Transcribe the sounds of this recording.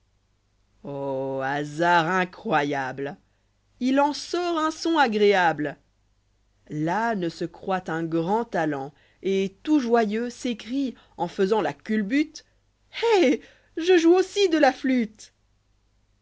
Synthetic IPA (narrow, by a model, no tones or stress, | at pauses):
oazaʁɛ̃kχwajabl | ilɑ̃sɔʁɛ̃sɔ̃aɡʁeabl | lanəsəkχwat̪ɛ̃ɡʁɑ̃t̪alɑ̃ | et̪uʒwajøsekχi | ɑ̃fəzɑ̃lakʲylbyt̪ | ɛ | ʒəʒuosid̪əlaflyt̪